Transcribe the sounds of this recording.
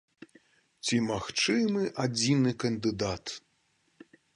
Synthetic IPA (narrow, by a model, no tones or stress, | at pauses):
t͡sʲimaxt͡ʂɨmɨʔad͡zʲinɨkɐnd̪ɨd̪at̪